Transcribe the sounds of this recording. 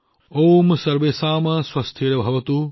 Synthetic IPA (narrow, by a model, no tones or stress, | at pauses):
oːmsɐɾʋeːsaːmɐswɐst̪ʰiɾɐbʱɐʋɐt̪u